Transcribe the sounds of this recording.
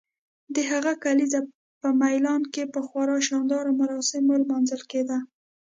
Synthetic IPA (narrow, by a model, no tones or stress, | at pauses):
d̪əɦaɣakaliza | pəmajlɑnkepəxwɑɾɑʃɑnd̪ɑɾomaɾɑsɪmolmɑnzəlked̪a